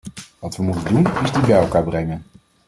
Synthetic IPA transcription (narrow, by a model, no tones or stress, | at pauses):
ʋɑtʋəmutəndunɪzdibɛjɛlˠkaːɹbrɛŋən